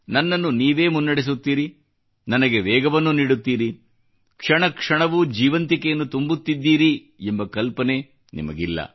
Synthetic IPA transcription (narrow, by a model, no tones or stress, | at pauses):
nɐnːɐnːuniːʋeːmunːɐɽes̬ut̪ːiːɾi | nɐnɐɡeʋɛːɡɐʋɐnːuniːɽut̪ːiːɾi | kʂɐɳɐkʂɐɳɐʋud͡ʒiːʋɐnt̪ikejɐnːut̪umbut̪ːid̪ːiːɾi | embɐkɐlpɐne | nḭmɐ̰ɡḭlːɐ̰